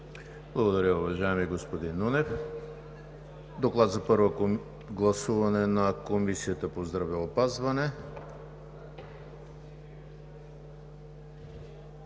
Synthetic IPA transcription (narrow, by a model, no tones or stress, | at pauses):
b̥lˠɐɡod̪ɐɾʲjəʊvɐʒajɛmiɡospod̪inːunɛf | d̪oklˠad̪zɐpɤɾvo | ɡlˠɐsuvɐnɛnɐkomisiət̪əpozd̪ɾɐvɛopazvɐnɛ